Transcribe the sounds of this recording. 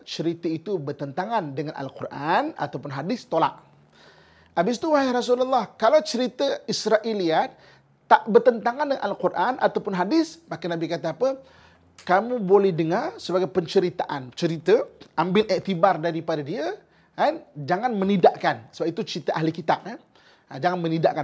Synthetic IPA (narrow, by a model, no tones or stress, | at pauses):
t͡ʃəɾit̪əit̪ubərt̪ənt̪aŋandəŋanʔa̰lqurʔana̰t̪awpʊnɦadɪst̪ola̰ʔ | abɪst̪uwaɦiras̬ululːahkalawt͡ʃəɾit̪əisɾaʔiliat̪̚ː | aʔbərt̪ənt̪aŋandəŋa̰nʔalqurʔanʔa̰t̪awpʊnɦadɪsmakanabikat̪aːpə | kamũbolɛhdəŋarsəbaɡajpəɲt͡ʃəɾit̪aʔant͡ʃəɾit̪əambɪlʔɛʔt̪ibardaɾipadadiə | and͡ʒaŋanmənidaʔkansəbap̚it̪ut͡ʃəɾit̪aʔaɦlikit̪ap̚na | ad͡ʒaŋanmənidaʔka